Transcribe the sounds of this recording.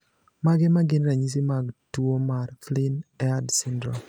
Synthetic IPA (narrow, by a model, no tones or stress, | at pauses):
maɡɛmaɡɪnɾaɲis̬imaɡtuomaɾflɪnɛadsɪndɾɔ̰